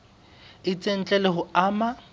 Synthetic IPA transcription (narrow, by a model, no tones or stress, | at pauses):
ɪt͡sʼen̩t͡ɬʼɛlɛɦʊaːma